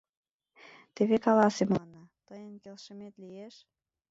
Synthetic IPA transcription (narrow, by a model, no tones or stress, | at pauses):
t̪eβekɑlɑsemlɑnːɑt̪əjənkelʃəmet̪lijeʃ